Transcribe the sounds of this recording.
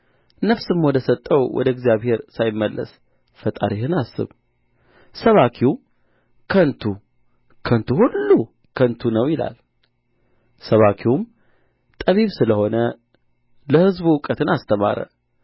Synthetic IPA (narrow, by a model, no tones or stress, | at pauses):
nəfsɨmwɔd̪əsət̪ʼːəwwʔɔ̰d̪əɡzijaβhe̞ɾsajɪmːəlːʔə̰s | fət̪ʼa̰ɾihɨnasːɨ̰β | səβakʰiw | kʰənt̪ʰu | kʰənt̪ʰuhulːu | kʰənt̪ʰunəwjɪla̰l | səβakʰium | t̪ʼəβiβsɨləho̞nə | ləhɨzbuwʊkʼət̪ʰɨnast̪ʰəma̰ɾə̰